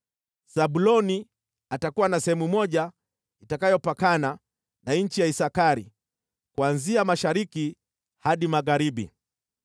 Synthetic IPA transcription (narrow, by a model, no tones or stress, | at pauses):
saɓulɔni | atakuwanasɛhɛmumɔʄa | itakajɔpakana | naɲ̩t͡ʃijaisakaɾḭ | kwanziamaʃaɾiki | haɗimaɣaɾiɓḭ